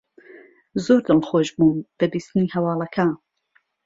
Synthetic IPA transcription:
zoɾd̪ɨlxoːʒbuːnb̥ɐbiːst̪ɨniːhɐwɑːlˠɐkʰa

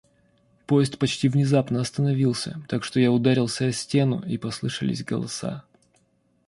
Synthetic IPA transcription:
po̞jɪst̪pɐt͡ɕtʲivnʲɪzapnəɐst̪ənɐvʲilˠsʲə̰t̪akʂt̪ojaʊd̪aɾʲɪlˠsʲəɐsʲtʲe̞nʊ̰ipɐslˠɨʂə̰lʲɪ̰sʲɡə̰lˠɐ̰sa̰

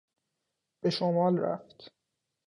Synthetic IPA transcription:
b̥e̞ʃomɒːlɾæ̰ft̪

